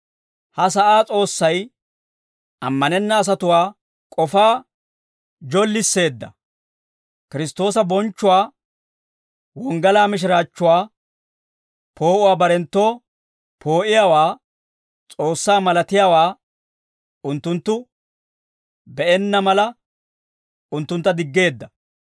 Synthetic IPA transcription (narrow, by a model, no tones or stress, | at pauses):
hɐs̬ɐʔaːt͡sʼo̞ːsːɐj | ʔɐmːɐnɛnːɐːs̬ɐt̪ʊwaː | kʼɔfaː | d͡ʒɔlːɪsːe̞ːd̪ːɐ̰ | kɪɾɪst̪o̞ːsɐbɔnt͡ʃːʊwaː | wɔŋɡɐlaːmɪʃ̬ɪɾaːt͡ʃːʊwaː | pʰo̞ːʔʊwaːbɐɾɛnt̪ːo̞ː | pʰo̞ːʔɪjaːwaː | t͡sʼo̞ːsːaːmɐlɐt̪ɪjaːwaː | ʊnt̪ːʊnt̪ːʊ | bɛʔɛnːɐmɐlɐ | ʊnt̪ːʊnt̪ːɐd̪ɪɡːe̞ːd̪ːɐ